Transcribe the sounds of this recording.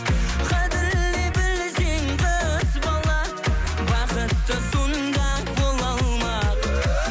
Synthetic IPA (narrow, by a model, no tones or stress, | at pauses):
qʰɑd̪ɪɾlebɪlseŋʁɑəsbɑlˠɑ | bɑqət̪ːəsond̪ɑ | bolˠɑlˠmɑ